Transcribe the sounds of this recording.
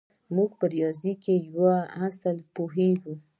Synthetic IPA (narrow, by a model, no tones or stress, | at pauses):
muɡ̚pəɾjɑzikejwaasəlpoɦeɡu